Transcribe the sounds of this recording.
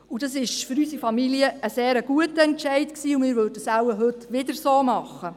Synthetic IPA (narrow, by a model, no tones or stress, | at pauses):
udɑsɪʃfʏɾysifɑmiliəːseːɾəɡ̥uətəɛntʃɛɪtksiːʊmɪːɾʋødəsæwəɦɵtʋɪdəɾsoːmɑχə